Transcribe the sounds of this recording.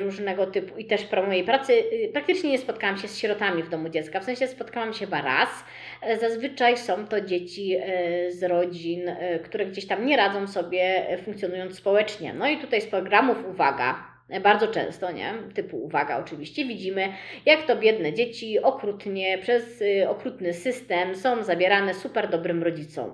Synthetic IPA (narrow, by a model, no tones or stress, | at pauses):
ɾuʐnɛɡɔt̪ɘpuit̪ɛʂpɾɔmɔjejpɾat̪sɘpɾak̚t̪ɘt͡ʂɲɛɲɛspɔt̪̚kawamɕɛsɕɾɔt̪amʲivd̪ɔmud͡ʑɛt̪skafsɛ̃ɕɛspɔt̪kawamɕɛbaɾa̰s | zazvɘt͡ʂajsɔ̃w̃t̪ɔd͡ʑet͡ɕizɾɔd͡ʑinkt̪uɾɛɡd͡ʑeɕt̪amɲɛɾad̪zɔ̃w̃sɔbʲjɛfuŋkt̪sʲjɔnujɔnt̪sspɔwɛt͡ʂɲɛ̰nɔit̪ut̪ajspɾɔɡɾamufuvaɡa̰ | baɾd̪zɔt͡ʂɛ̰̃w̃st̪ɔɲɛ̰t̪ɘpuṵvaɡa̰ɔt͡ʂɘvʲiɕt͡ɕɛvʲid͡ʑimɘjakt̪ɔbʲjɛd̪nɛd͡ʑet͡ɕiɔkɾut̪ɲɛpʂɛsɔkɾut̪nɘsɘst̪ɛmsɔ̃w̃zabʲjɛɾanɛsupɛɾd̪ɔbɾɘmɾɔd͡ʑit̪sɔ̰̃w̃